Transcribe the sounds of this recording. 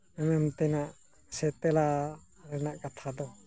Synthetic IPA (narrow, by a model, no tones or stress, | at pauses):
ɛmɛmt̪ɛnaʔ | sɛt̪ɛla | ɾɛnaʔkat̪ʰad̪ɔ